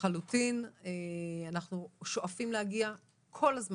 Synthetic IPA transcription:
alutineanaχnuʃoʔafimlehaɡia | kʰo̞lazm

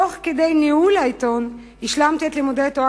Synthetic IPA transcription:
oχkedejnihulajt̪o̞n | hiʃlamt̪ietlimudetoa

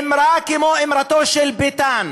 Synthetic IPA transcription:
mɾakɪmoːʔɪmɾat̪oːʃɛlbɪt̪aːn

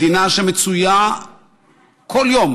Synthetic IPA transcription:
inaʃɛmit͡sʰuja | kʰɔljɔm

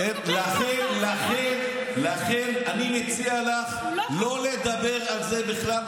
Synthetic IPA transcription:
laχenlaχen | laχenanimet͡sialaχ | lo̞led̪abeʁalzebiχlal

